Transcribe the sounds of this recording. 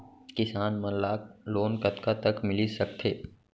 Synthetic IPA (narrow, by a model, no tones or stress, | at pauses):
kɪsaːnmɐ̃laːkloːnkɐt̪kat̪ɐkmɪlisɐk̚t̪ʰeː